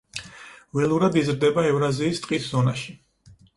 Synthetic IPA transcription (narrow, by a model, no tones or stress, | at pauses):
vɛlˠuɾad̪izɾd̪ɛbaɛvɾaziːst̪ʼqʼiszɔnaʃi